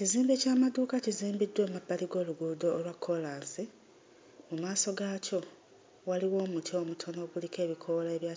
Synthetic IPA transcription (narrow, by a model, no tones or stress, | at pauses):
ciziːmbe̞caːmad̪uːkaciziːmbidːwe̞ːmabːaliɡo̞ːluɡudo̞ːlwakʰːo̞laːnsi | mumaːso̞ɡaco̞ | waliwo̞ːmutʰio̞ːmutʰo̞no̞ːɡulike̞ːβikʰo̞leβjaː